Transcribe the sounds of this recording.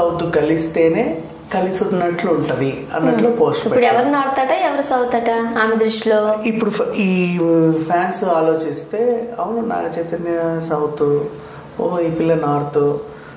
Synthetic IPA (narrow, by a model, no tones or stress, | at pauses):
sɐwt̪ukɐlist̪e̞ːne̞ː | kɐlisunːɐʈluːɳʈɐd̪i | ɐ̰nːɐʈloːpoːsʈippuɽɛʋɐɾunaːɾt̪aʈaɛʋɐɾusɐwt̪ɐʈaaːmɐd̪ɾuʃloːipːuɽuiːpʰaːnsaːlo̞ːt͡ʃist̪e̞ːɐwununa̰ːɐt͡ʃɐjt̪ɐnjɐsɐwt̪u | oːipilːɐnaːɾt̪u